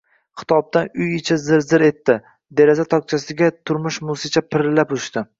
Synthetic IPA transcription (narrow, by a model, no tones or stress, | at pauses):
χʰɪ̥t̪ʰɒb̚d̪anʊjɪt͡ʃʰazɪɾzɪɾe̞t̪ːɪ | d̪eɾazat̪ʰɒk̚t͡ʃʰasɪɡʲat̪ʰʊɾmʊʃmʊsɪt͡ʃʰapʰɪɾɪlːapʊʃt̪ɪ